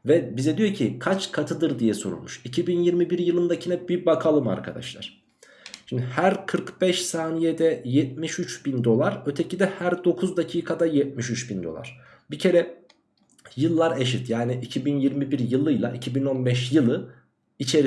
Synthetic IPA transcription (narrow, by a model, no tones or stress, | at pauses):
vɛbizɛd̪ijo̞cʰikʰat͡ʃkʰat̪ʰɯd̪ɯɾd̪ijɛso̞ɾṵlˠmuʃicʰibinjiɾmibiɾjɯlˠɯnd̪acʰinɛbibakʰalˠɯma̰ɾkʰa̰d̪a̰ʃlˠa̰ɾ̥ | ʃind̪ihæɾkʰɯɾkb̥ɛʃsaːnijɛd̪ɛjɛt̪̚miʃyt͡ʃbind̪o̞lˠaɾø̞t̪ʰecʰid̪ɛhæɾd̪o̞kʰuzd̪acʰiːkʰad̪ajɛt̪̚miʃyt͡ʃbind̪o̞lˠa̰ɾ̥ | bicʰe̞ɾɛ | jɯlˠːaɾeʃit̪jaːniʔicʰibinjiɾmibiɾjɯlˠɯjlˠa̰ʔicʰibino̞nbɛʃjɯlˠɯ | it͡ʃʰe̞ɾ